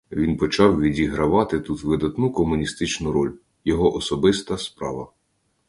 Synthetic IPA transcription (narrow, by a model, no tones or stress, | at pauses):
ʋʲinpɔt͡ʃɑwʋʲidʲiɦɾɐʋɑt̪ɪt̪ut̪ʋɪd̪ɐt̪nukɔmʊnʲist̪ɪt͡ʃnʊɾɔlʲ | jɔɦɔʔɔsɔbɪst̪ɐspɾɑ̰ʋɐ